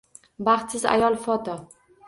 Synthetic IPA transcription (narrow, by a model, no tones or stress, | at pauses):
baχt̪sɪza̰jɒlˠfɒt̪ɒ